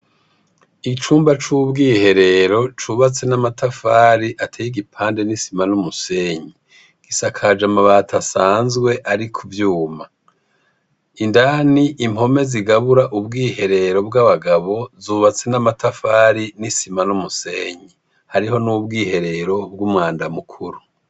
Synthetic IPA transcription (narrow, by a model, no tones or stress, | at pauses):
it͡ʃuːmbat͡ʃubɡiːhe̞ɾe̞ɾo̞t͡ʃuβat͡se̞namatafaːɾiʔatʰeːjiɡipʰaːnde̞nisimanumuse̞ːɲi | ɡ̥isakʰad͡ʒamaβatʰasaːnzɡwe̞ʔaɾikʰuvjuːma | indaːniʔimho̞me̞ziɡaβuɾaʔubɡiːhe̞ɾe̞ɾo̞bɡaβaɡaβo̞zuːβat͡se̞namatʰafaːɾinisimanumuse̞ːɲi | haɾiɦo̞nubɡiːhe̞ɾe̞ɾo̞b̚ɡumŋaːndamukʰuɾu